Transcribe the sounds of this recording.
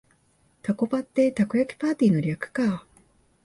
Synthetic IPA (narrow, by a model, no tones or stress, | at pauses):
t̪ako̞bat̪ːe̞t̪akɯ̟ɾakʲi̥paːt̪ʲiːno̞ɾʲakɯ̟̥ka